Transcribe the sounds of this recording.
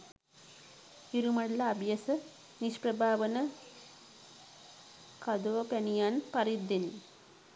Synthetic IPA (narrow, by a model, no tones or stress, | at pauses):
iɾumɐɽɐlɐːbʱjɐsɐ | niʃpɾɐbʱaːʋɐnɐ | kɐd̪oːpɐnijaːnpɐɾid̪ɐni